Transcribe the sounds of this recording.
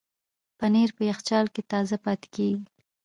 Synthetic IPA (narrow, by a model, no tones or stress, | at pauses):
paneɾpəjaxt͡ʃɑlket̪ɑzapɑt̪e̥keɡi